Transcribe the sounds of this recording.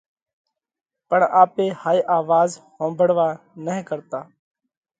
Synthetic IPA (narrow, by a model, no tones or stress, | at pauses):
pəɳaːpeːhaːiʔaːʋaːzhõːmbʱəɽʋaː | nəɪ̃kəɾt̪aː